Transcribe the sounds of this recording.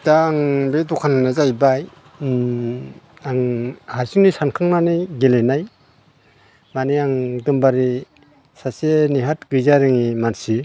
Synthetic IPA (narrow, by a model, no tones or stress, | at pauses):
d̥aŋbedɔkʰanɯnazajbaj | aŋhaɾsiŋnisankʰaŋnanajɡelenaj | maniaŋdɯmbaɾi | saseniɦat̚ɡɯjzaɾɯŋimansi